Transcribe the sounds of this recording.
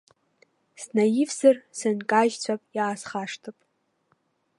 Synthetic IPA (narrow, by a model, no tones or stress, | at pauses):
snajɪfzɨrsɨnkʼaʒt͡ɕʷʰapʼjaːsχaʂtʰɨpʼ